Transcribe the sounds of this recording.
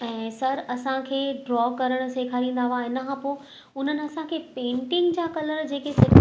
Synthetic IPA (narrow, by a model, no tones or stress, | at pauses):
ɛ̃ːsɐɾɐsãkʰeːɖɾɔːkɐɾəɽ̃̆seːkʰaːɾĩːnd̪aʋaːɦɪnəkʰãːpoː | ʊn̤ənɪ̆ɐsãkʰeːpẽːɳʈɪ̃ŋɡd͡ʑaːkɐləɾd͡ʑeːkesɪ